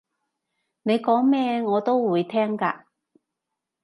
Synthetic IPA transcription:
ne˨˧jkɔː˨˥ŋmɛː˥ŋɔː˨˧t̪o˥wwuː˨˧jt̪ʰɛː˥ŋkaː˧

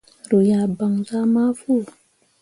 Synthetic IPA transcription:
ɾu˨ja˨ba˨ŋza˦ma˦fu˦˨

